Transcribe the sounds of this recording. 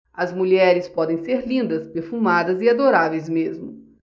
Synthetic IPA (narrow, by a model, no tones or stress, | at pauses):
ɐzmuʎɛɾɪspɔd̪ẽj̃seɾlĩnd̪ɐspeɾfumad̪ɐziad̪oɾavejzmezmʊ